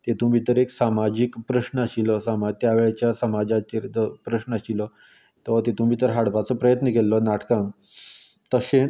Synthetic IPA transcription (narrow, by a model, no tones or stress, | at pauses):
t̪et̪um̤iːt̪əɾeksamad͡ʑikpɾəɕnəaɕilɔsamat̪jaʋeɭat͡ɕjasəmad͡ʑat͡ɕeɾəpɾəɕnəaɕilɔ | t̪ɔt̪et̪um̤iːt̪əɾɦaɽpat͡sɔpɾəjət̪nəkelːɔnaʈkãŋ | t̪əsẽ